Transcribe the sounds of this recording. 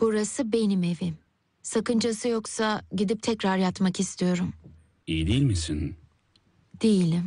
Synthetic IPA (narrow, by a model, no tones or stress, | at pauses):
b̥uɾasɯbe̞nime̞vim | sakɯnd͡ʒasɯjo̞ksaɟid̪ip̚t̪ʰɛcɾaɾjat̪makist̪ʰijo̞ɾum | ijid̪ejilʲmisin | d̪̥ejilʲim